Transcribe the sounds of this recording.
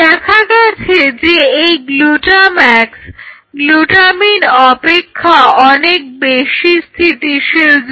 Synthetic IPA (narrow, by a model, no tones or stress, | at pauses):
d̪ɛkʰaɡat͡ɕʰed͡ʑeejɡluʈamɛks | ɡluʈaminɔpekʰːaɔnek̚beʃist̪ʰit̪iʃed͡ʑ